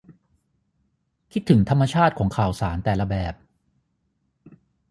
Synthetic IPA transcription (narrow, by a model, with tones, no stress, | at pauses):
kʰi˦˥t̪ʰːɯ˩˦ŋt̪ʰa˧mːa˧t͡ɕʰaː˥˩t̪̚kʰɔː˩˦ŋkʰaː˨˩wsaː˩˦nt̪ɛː˨˩la˧bɛː˨˩p̚